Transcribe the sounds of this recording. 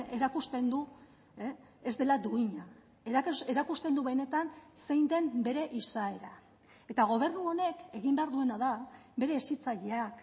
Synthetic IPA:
e̞ɾakust̪e̞nd̪u | e | ezd̪e̞lad̪uiɲa | eeɾakust̪e̞nd̪uβene̞t̪anse̞jnd̪e̞mbe̞ɾe̞ʔisae̞ɾa | e̞t̪aɣ̞o̞β̞e̞ɾnuo̞ne̞ke̞ɣimbe̞aɾðue̞naðabe̞ɾe̞sit͡saʎeak

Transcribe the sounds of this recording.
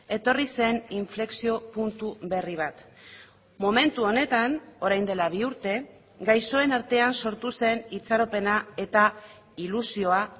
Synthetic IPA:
e̞t̪o̞rise̞niɱfle̞ksio̞punt̪uβe̞riβ̞at̪ | mome̞nt̪uo̞ne̞t̪ano̞ɾajnd̪e̞laβ̞iuɾt̪e̞ | ɡajso̞e̞naɾt̪e̞anso̞ɾt̪use̞nit͡saɾo̞pe̞nae̞t̪a | ilusio̞a

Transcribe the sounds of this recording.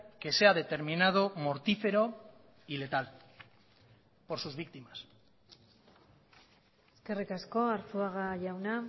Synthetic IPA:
ke̞se̞að̞e̞t̪e̞ɾminað̞o̞mo̞ɾt̪ife̞ɾo̞ | ile̞t̪al | po̞ɾsuzβik̚t̪imas | eske̞rikasko̞aɾθuaɣaʝawna

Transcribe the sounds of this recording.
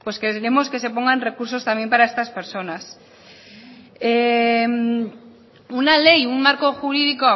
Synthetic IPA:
pweskeɾemo̞ske̞se̞po̞ŋɡanre̞kuɾso̞st̪amje̞mpaɾae̞st̪aspe̞ɾso̞nas | em | unale̞juŋmaɾko̞xuɾiðikoa

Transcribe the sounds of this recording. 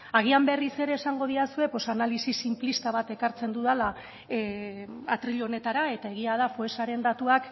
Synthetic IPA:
aɣ̞iambe̞rise̞ɾe̞ːsaŋɡo̞ð̞iasue̞po̞sanalisisimplist̪aβ̞at̪e̞kaɾt͡se̞nd̪uðala | at̪ɾiʎo̞ne̞t̪aɾae̞t̪ae̞ɣ̞iað̞afoesaɾe̞nd̪at̪uak

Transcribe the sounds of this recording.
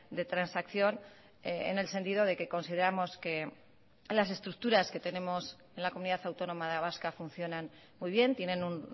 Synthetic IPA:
d̪e̞t̪ɾansakθjo̞n | eḛne̞lse̞nt̪iðo̞ð̞e̞ke̞ko̞nsið̞e̞ɾamo̞ske̞ | las̬e̞st̪ɾuk̚t̪uɾaske̞t̪e̞nẽ̞mo̞s | e̞nlako̞muniðaθawt̪o̞no̞maðeaβaskafun̟θjo̞nan | mujβ̞je̞nt̪je̞nẽ̞nun

